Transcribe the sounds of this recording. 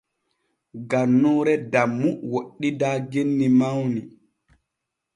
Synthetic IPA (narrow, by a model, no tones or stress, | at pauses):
ɡanːɔːɾɛdamːuwoɗːidaːɡenːimawni